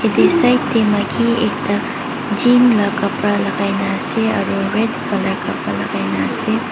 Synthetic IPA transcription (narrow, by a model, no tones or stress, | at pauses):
hedesajttemɐkʰiek̚ta | d͡ʒimlɐkɐpɾalɐɡajnaseɐ̰ɾuɾedkʰɐlɐɾkɐpɾalɐɡajnase